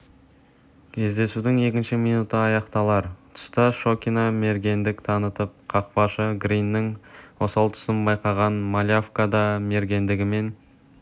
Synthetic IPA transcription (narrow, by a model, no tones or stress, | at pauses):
kʲʰe̞zd̪e̞sud̪ɪŋe̞kʲɪnʃɪmijnut̪əɑjɑqt̪ɑlˠɑɾt̪ʰʊ̥st̪ɑʃo̞kʲiname̞ɾɡʲe̞nd̪ɪkt̪ʰɑnət̪əp̚qʰɑqpɑʃəɡɾijnːɪŋwosɑlˠt̪ʰʊ̥sənbɑjqɑʁɑnmalʲjafkad̪ɑme̞ɾɡʲe̞nd̪ɪɡʲɪme̞n